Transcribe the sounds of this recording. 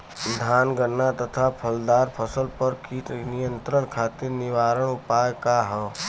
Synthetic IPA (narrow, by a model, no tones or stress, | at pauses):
d̪ʱaːnɡəɾnːat̪ət̪ʰapʰəld̪aːɾpʰəsəlpəɾkiːʈnɪjə̃nt̪ɾəɳkʰaːt̪ɪɾnɪʋaːɾəɽ̃ʊpaːjkaɦɛː